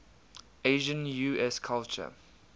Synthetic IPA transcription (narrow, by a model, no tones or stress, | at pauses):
eɪʒə̃njuːɛskʰalt͡ʃə̰